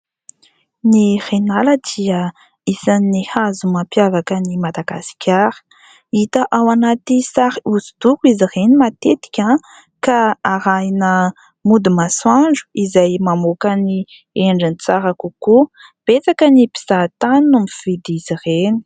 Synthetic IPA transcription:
nirenaləd̪̥iə | isannihazumampjavakənimad̪aɡasi̥kʲaɾə̥ | it̪əʔawanat̪isaɾiuzu̥d̪ukizirenimat̪et̪i̥kʲa | kaaɾajnə | mud̪imaswaɳɖ͡ʐu̥izajmamokani | eɳɖ͡ʐinit͡saɾakuku | b̥et͡sakənipi̥z̥at̪anumiv̥id̪iz̥ireni̥

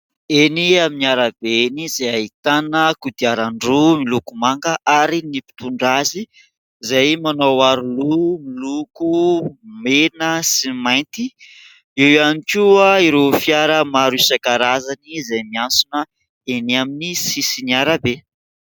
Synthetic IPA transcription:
eniaminiaɾabenizejait̪anəkud̪iaɾaɳɖ͡ʐumilukumaŋkəʔaɾinipi̥t̪uɳɖ͡ʐazi | zajmanowaɾulumilukumenəsimajnt̪i | iwanikʲuaiɾofiaɾəmaɾusakaɾazanizajmiansunə | eniaminisisiniaɾabe

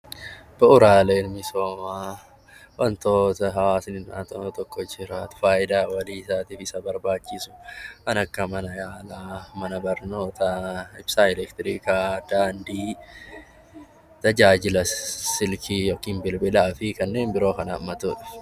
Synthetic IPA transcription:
b̥ɐʔʊɾaːleːnmɪso̞ːmaː | wʔɐnt̪oːt̪ɐɦɐwaːsnɪnʔa̰t̪ɔt̪ɔkːɔd͡ʒɪɾaːt̪faːʔɪd̪aːwɐliːɪsaːt̪iːfɪsɐbɐɾbaːt͡ʃːɪsʊ̥ʔɐnɐkːɐmɐnɐjaːlaːmɐnɐbɐɾno̞ːt̪ɐɪbsaːɛlɛkt̪ɪɾiːkaːd̪̥aːnd̪iː | t̪ɐd͡ʒaːd͡ʒɪlɐsɪlkʰiwɐkːiːnbɪlbɪlaːfɪkɐnːe̞ːnbɪɾo̞ːkɐnɐ̰ːmːɐt̪uːᶑɪ̥f

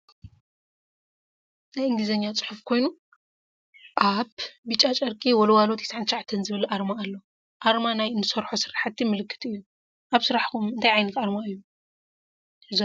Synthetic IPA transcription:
zajɨŋɡɨzɐɲːat͡sʼɨ̥ħufkʰo̞jnu | ʔaβbɨt͡ʃʼat͡ʃʼɐɾkʼiwɔlɐwalot̪ʰje̥sʕant̪ʰʃaʕat̪ʰːɐnzɨβɨlʔaɾmaːlːo̞ | ʔaɾmanajɨnːɨsɐɾħosɨɾaħat̪ʰːimɨlɨkːɨ̥t̪ɨjːu | ʔaβsɨɾaħkumɨnt̪ʰajʕajnɐt̪aɾmaɨjːu | ɨz

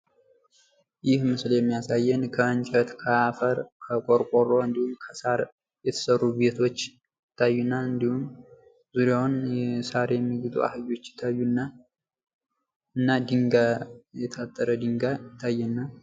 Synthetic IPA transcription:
jɪhmɨsljɛmːijasajːɛnkʰəːnt͡ʃʼət̪kʰəafəɾkʰəkʷʼoɾkʷʼoro̞ɨnd̪ihumkʰəsaɾ | jɛt̪ʰə̥sərːuβe̞t̪ʰo̞t͡ʃː | ɪt̪ʰːajːunːaɨnd̪ihum | zuɾjawʊnsaɾjɛmːiɡut̪ʼṵa̰hɨβo̞t͡ʃːɪ̥t̪ʰːajːunːa | ɨnːad̪ɨŋɡajɛt̪ʰat̪ʼːəɾəd̪ɨŋɡajɪt̪ʰːajːɛnːa

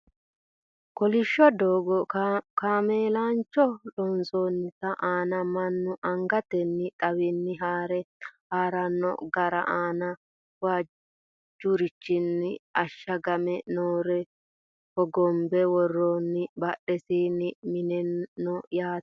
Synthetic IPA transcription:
kɔlɪʃːɔd̪oːɡɔkaːmeːlaːnt͡ʃːɔlɔnsoːnːɪsɐʔaːnɐmɐnːʊʔɐŋɡɐt̪ɛnːɪt̪ʼɐwɪnːɪɦaːɾɛhaːɾɐnːɔ̰ɡɐɾɐ̰ʔaːnɐ | wa | d͡ʒʊɾɪt͡ʃːɪnːɪɐʃːɐɡɐmɛnoːɾɛ | hɔɡɔmbɛwɔrːoːnːɪbɐɗɛsiːnːɪmɪnɛnːɔjaːt

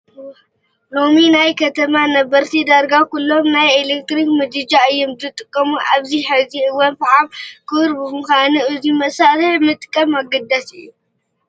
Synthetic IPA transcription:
lo̞minajkʰɐt̪ʰɐmanɐbɐɾt̪ʰid̪aɾɡakulːo̞mnajelek̚t̪ɾikmɨd̪ɨd͡ʒaɨjːomzɨt̪ʼɨkʼːɐmuʔaβziħɨziʔɨwɔnfɨʕamkʰɨɾbɨmɨxʷanɨʔɨzimɐsaɾɨħmɨt̪ʼɨkʼːɐmaɡɐd̪asɨ̰jːu

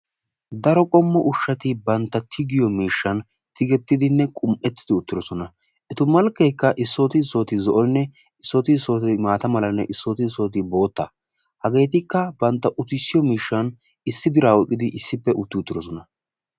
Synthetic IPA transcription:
d̪ɐɾɔkʼɔmːɔʔʊʃːɐt̪ɪbɐnt̪ːɐt̪ʰɪɡɪjɔmiːʃːɐn | t̪ʰɪɡɛt̪ːɪd̪ɪnːɛkʼʊmʔɛt̪ːɪd̪ɪʊt̪ːɪɾɔsɔnɐ | ʔɛt̪ʊmɐlkːɛjkːɐʔɪsːoːt̪ɪsːo̞ːt̪ɪzɔʔɔnːɛ | ɪsːoːt̪ɪso̞ːt̪maːt̪ɐmɐlɐnːɛʔɪsːoːt̪ɪso̞ːt̪ɪbo̞ːt̪ːɐ̰ | hɐɡe̞ːt̪ɪkːɐbɐnt̪ːɐʔʊt̪ɪsːɪjɔmiːʃːɐn | ɪsːɪd̪ɪɾaːwɔkʼːɪd̪ɪʔɪsːɪpːɛʔʊt̪ːɪʊt̪ːɪɾɔsɔnɐ

